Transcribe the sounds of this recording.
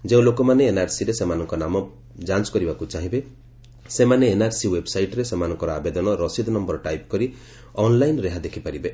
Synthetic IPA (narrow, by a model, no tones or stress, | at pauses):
d͡ʒeũlokɔmaneːnaɾsiɾesemanɔŋkɔnamɔ | d͡ʒant͡ʃɔ̥kɔɾibakut͡ʃaɦibe | semaneːnaɾsiwebsajʈɔɾesemanɔŋkɔɾɔabed̪ɔnɔɾɔsid̪ʱnɔmbɔɾɔʈajpkɔɾi | ɔnlajnɾeɦad̪ekʰipaɾibe